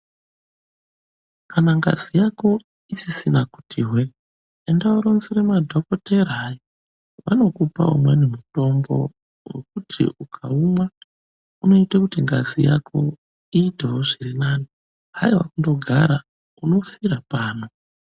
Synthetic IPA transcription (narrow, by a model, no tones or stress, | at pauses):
kʰanaŋɡa̰zijako̞ | isisinaku̥tʰiɦwe | endaoɾonziremadʱo̞koteɾːjo | ʋa̰no̞kupa̰o̰mwenimuto̞mbo̞̰ | wḛk̚utʰḭʔukʰauma | uno̞itakutiŋɡa̰zija̰kʰo̞ | iːteɦoʐirinaːni | ɦajiwa̰kundo̞ɡʱaɾa | uno̞fiɾapaːno̞